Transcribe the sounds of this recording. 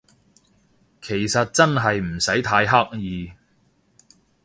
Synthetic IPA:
kʰe˨˩jsɐ˨t̚t͡sɐ˥nɦɐ˨jm̩˨˩sɐ˨˥jt̪ʰaː˧jɦa˥k̚jiː˨˧

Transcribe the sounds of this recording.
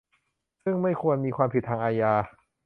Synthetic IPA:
sɯ˥˩ŋma˥˩jkʰu˧ənmiː˧kwaː˧mpʰi˨˩t̪̚ʰaː˧ŋʔaː˧jaː˧

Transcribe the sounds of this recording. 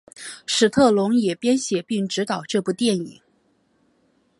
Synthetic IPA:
ʂɻ̩˨˩t̪ʰɤ˥˩lʊ˧˥ŋjɛ˨˩pjɛ˥nɕjɛ˨˩pi˥˩ŋʈ͡ʂɻ̩˧˥t̪ɑ˨˩ʊʈ͡ʂɤ˥˧pu˥˧t̪jɛ˥˩nḭ˨˩˦ŋ

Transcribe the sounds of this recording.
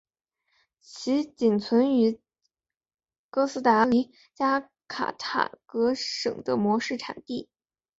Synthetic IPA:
t͡ɕʰi˧˥t͡ɕi˨˩nt͡sʰwə˧˥ny˧˥ | kɤ˥sɹ̩˥t̪a˧˥li˧˥ | t͡ɕja˥ | kʰa̰˨˩t̪ʰa̰˨˩kɤ˧˥ʂɤ̰˨˩ŋd̪ə˦mwɔ˧˥ʂɻ̩˥˩ʈ͡ʂʰa̰˨˩nt̪i˥˩

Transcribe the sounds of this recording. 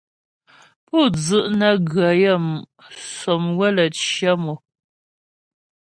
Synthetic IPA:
pɔ˦˨d͡zɨ˨ʔnə˦ɡɰə˨jə˦˨m | sɔ˨mwə˦˨lə˨t͡ʃjə˦mo˨

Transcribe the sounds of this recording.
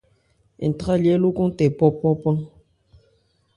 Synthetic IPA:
ḛ˨n̩˨ta˦ljɛ˦lu˦ku˦ŋ˦tɛ˨pɔ˦pɔ˦pɔ˦n

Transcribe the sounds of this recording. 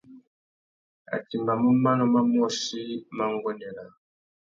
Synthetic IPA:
a̰˨ti˨mba˨mu˦ma˦nɔ˦ma˦mɔ˦ʃi˦ma˦ŋɡɔ˦nɛ˨la˨

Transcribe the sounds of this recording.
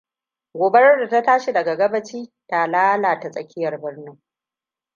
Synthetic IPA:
ɡʷoː˨be˦ɾɐ˦da˨ta˦taː˦ʃi˨dɐ˨ɡa˨ɡɐ˦bɐ˦t͡ʃiː˦ta˨laː˦laː˨ta˨sʼɐ˨kʲɪ˦jɐ˨rbɪ˦rnʊ˦ŋ

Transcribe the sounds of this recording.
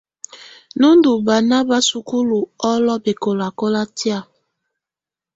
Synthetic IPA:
nu˦ndu˨ba˨na˦ba˦su˨ku˦lu˨ɔ˦lɔ˦be˨ko˨la˨ko˦la˦ti˦a˦˨

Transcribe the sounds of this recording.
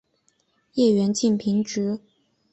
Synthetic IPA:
jɛ˥˩ɥɛ˧˥nt͡ɕi˥˩npʰi˧˥ŋʈ͡ʂɻ̩˧˥

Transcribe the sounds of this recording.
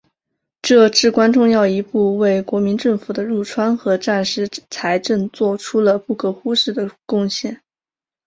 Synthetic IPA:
ʈ͡ʂɤ˥˧ʈ͡ʂɻ̩˥˩kwa˥nʈ͡ʂʊ˥˧ŋjɑ˥˩ʊi˧˥pu˥˧we˥˩ɪkwɔ˧˥mi˧˥nʈ͡ʂɤ˥˩ŋfu˨˩d̪ə˦ɻu˥˩ʈ͡ʂʰwa˥nxɤ˧˥ʈ͡ʂa˥˩nʂɻ̩˥t͡sʰa˧˥ɪʈ͡ʂɤ˥˧nt͡swɔ˥˩ʈ͡ʂʰu˥lə˨pu˥˩kʰɤ˥xu˥ʂɻ̩˥˩d̪ə˩kʊ˥˧ŋɕjɛ˥˩n

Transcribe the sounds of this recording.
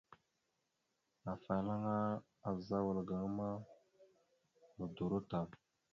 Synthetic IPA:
a˨fa˨la˦ŋa˦ | a˨za˦wə˨lɡa˨ŋ˦ma˦ | mə˨du˨ɾo˦ta˨

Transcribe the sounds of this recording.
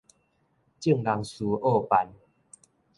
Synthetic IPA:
t͡ɕi˥˧˨ŋla˨˦ŋsu˨˦ʔɔ˥˧˨pa˧˦n

